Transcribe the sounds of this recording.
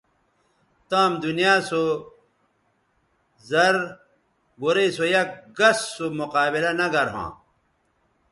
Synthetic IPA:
t̪ãːmd̪unijaːso | zɐɾ | ɡoɾesojɐk̚ɡɐsːomuqaːbilɐnɐɡɐɾɦã̰ː

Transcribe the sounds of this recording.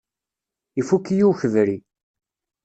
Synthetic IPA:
ifukːjuwçəvɾi

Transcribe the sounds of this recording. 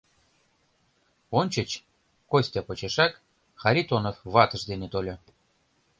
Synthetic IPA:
onʲt͡ɕə̆t͡ɕ | kosʲtʲɑpot͡ɕeʃɑk | xɑɾʲit̪onofβɑt̪ə̆ʃd̪enet̪olʲo

